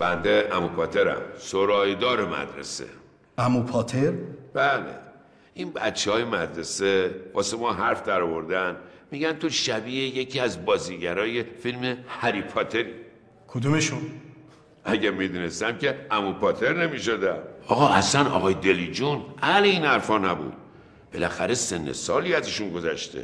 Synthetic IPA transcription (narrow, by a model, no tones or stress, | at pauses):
b̥ænd̪eʔæmupʰɒːt̪ʰe̞ɾæ̰msoɾɒːjd̪ɒːɾemæ̰d̪ɾḛsḛ | æmupʰɒːt̪ʰeɾb̥ælḛ | inbæ̰t̪t͡ʃʰːehɒːje̞mæd̪ɾe̞sevɒ̰ːsemɒːɦæɾfd̪æɾɒvo̞ɾd̪ænmiːɟænt̪ʰoʃæbiːejecʰiːæzbɒːziɟæɾɒːje̞filmehæɾipʰɒt̪ʰe̞ɾiː | kʰod̪umeʃun | ʔæɟæmid̪uːnest̪æmcʰe̞æmupʰɒːt̪ʰe̞ɾne̞miːʃod̪æmɒːɣɒːʔæslænɒ̰ːɣɒːjed̪e̞liːd͡ʒunʔæleiːnhæɾfɒːnæbṵːd̪̥̚ | b̥e̞læxæɾe̞se̞nːḛsɒ̰ːliːæzeʃunɡo̞zæ̰ʃt̪ʰḛ